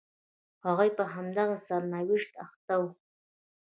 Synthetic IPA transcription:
ɑʁɑjpaɦamd̪ɑʁɑsaɾnawɪʃt̪aχt̪aw

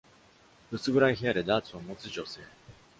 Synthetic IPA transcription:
bɯ̟sɨɡɯ̟ɾaiçijaɾed̪aːt͡sɨamo̞t͡sɨʑo̞se̞ː

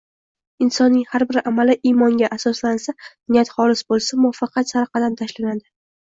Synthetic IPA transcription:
ɪnsɒnːɪŋhaɾbɪɾamalɪʔimɒŋɡʲaʔasɒslansanɪjat̪χɒlɪsbolˠsamʊɒfɑqʰɑt̪saɾqʰɑd̪amt̪ʰaʃlanad̪ɪ

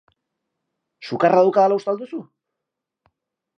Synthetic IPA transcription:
sukarʔaðawkaðalaust̪ald̪usu

